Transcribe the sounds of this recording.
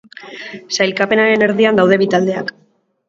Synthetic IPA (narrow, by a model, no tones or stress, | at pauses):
sajlkape̞naɾe̞ne̞ɾðiand̪awð̞e̞βit̪ald̪e̞ak